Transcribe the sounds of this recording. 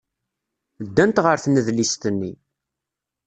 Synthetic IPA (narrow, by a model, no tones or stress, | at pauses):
d̪ːænt̪ʁəɾθnəðlist̪ənːi